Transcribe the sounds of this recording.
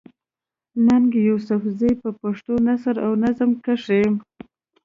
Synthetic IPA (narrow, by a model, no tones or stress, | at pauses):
naŋɡjusʊfzejpəpaʂt̪onasəɾawnazəmkaʂem